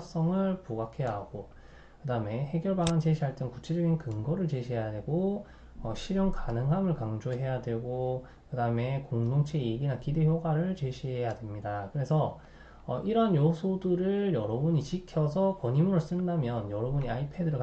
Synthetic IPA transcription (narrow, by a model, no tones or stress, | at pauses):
s͈ʌŋɯɭpuɡakʰe̞jaɦɡ̥o | kɯdaɯme̞he̞ɡjʌɭbaŋant͡ɕeɕʰiɦaɭt͈ɯŋkut͡ɕʰe̞d͡ʑʌɡinkɯŋɡʌɾɯɭt͡ɕeɕʰiɦe̞jadwe̞ɡo | ʌɕʰiɾjoŋkanɯŋɦamɯɭkaŋd͡ʑoɦe̞jadwe̞ɡo | kɯdaɯme̞koŋdoŋt͡ɕʰejeɡinakideçjoɡwaɾɯɭt͡ɕe̞ɕʰiɦe̞jadwemɲidakɯɾe̞sʰʌ | ʌ̰ʔiɾʌɦanjosʰoduɾɯɭjʌɾʌbuɲit͡ɕikʰjʌsʰʌkʌɲimuɾos͈ɯndamjʌnjʌɾʌbuɲiaipʰe̞dɯɾɯɭk